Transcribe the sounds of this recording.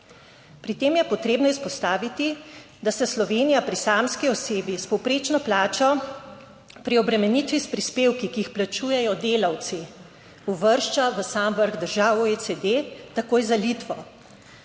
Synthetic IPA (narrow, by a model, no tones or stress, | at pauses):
pɾit̪eːmjɛpɔt̪ɾeːbnɔispɔst̪aːʋit̪i | d̪asɛslɔʋeːnijapɾisaːmskiɔseːbispɔwpɾeːt͡ʃnɔplaːt͡ʃɔ | pɾiɔbɾɛmɛnit̪ʋispɾispeːwkikiixplat͡ʃuːjɛjɔd̪eːlaw̪si | uʋəɾʃt͡ʃaʋəsamʋəɾɣd̪əɾʒaːwoet͡ssed̪et̪akoːjzalit̪ʋɔ